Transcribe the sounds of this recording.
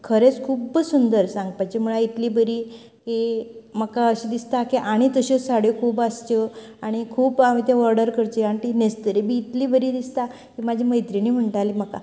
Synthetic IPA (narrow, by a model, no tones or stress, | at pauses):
kʰəɾet͡skʰuːbsund̪əɾsãŋɡpajt͡ɕemuɭait̪liːbəɾiː | kiməkaəɕid̪ist̪akiʔaɽ̃it̪əɕet͡ssaɽjekʰuːbast͡ɕəaɽ̃ikʰuːpamit̪ẽʋəɾɖəɾkəɾt͡ɕeaɽ̃it̪inest̪əɾebiːt̪liːbəɾiːd̪ist̪a | kimad͡ʑʱiməjt̪ɾiniːm̤əɳʈaliməka